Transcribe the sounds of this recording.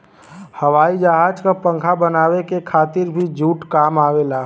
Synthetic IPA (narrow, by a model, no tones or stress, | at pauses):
həʋaːid͡ʒəɦaːd͡ʒkapə̃ŋkʰabənaːwekekʰaːt̪ɪɾbʱid͡ʒuːʈkaːmaːʋelaː